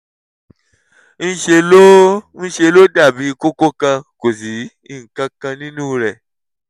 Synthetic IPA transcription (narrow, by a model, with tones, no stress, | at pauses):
n̩˦ʃe˧lo˦n̩˦ʃe˧lo˦da˦˨bi˨˦ko˦ko˦kã˧ko˨si˨˦ | i˦˨ŋ̩˨kã˧kã˧nĩ˦nũ˦ɾɛ˨